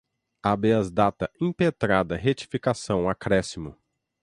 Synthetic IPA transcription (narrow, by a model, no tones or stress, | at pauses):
abeɐzd̪at̪ɐĩpet̪ɾad̪ɐɦet͡ʃi̥fikasɐ̃w̃akɾɛsimʊ̰